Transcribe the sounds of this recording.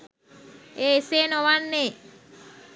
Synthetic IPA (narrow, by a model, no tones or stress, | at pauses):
eːeseːnoʋanːeː